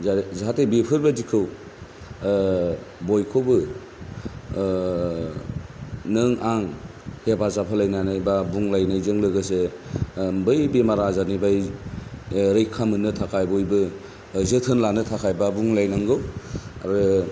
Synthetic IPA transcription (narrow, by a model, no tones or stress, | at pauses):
zaɦatʰebipʰɯɾbadikʰɯw | bojkʰobɯ | nɯŋaŋhebazapʰalajnanajbabuŋlajnajzɯŋlɯɡɯse | bɯjbemaɾazanibaj | ɾɯjkʰamɯnɯtʰakʰajbujbɯ | zɯtʰɯnlanɯtʰakʰajbabuŋlajnaŋɡɯwa̰ɾɯ